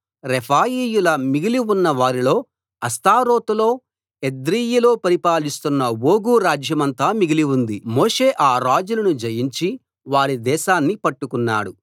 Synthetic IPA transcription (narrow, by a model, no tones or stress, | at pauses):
ɾepʰaːjiːjulɐmiɡiliunːɐʋaːɾilo̞ː | ɐst̪aːɾo̞ːt̪ulo̞ː | ed̪ɾiːjiloːpɐɾipaːlist̪unːɐwo̞ːɡuːɾaːd͡ʒjɐmɐnt̪aːmiɡiliwund̪imoːʂe̞ːʔaːɾaːd͡ʒulɐnud͡ʒɐjiɲt͡ʃi | ʋaːɽid̪ɛːʃaːnːipɐʈːukunːa̰ːɽu